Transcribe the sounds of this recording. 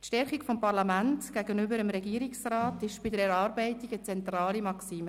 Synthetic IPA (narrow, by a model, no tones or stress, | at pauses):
tʃtɛɾχikfɔmpɑɾlɑmæntɡ̥æɡənʏbəɾəmɾɛɡiəɾiksrɑːtɪʃb̥ɪdəɾɛɾɑːɾbɛɪtiɡət͡sɛnt̪ɾɑːlimɑksiːmə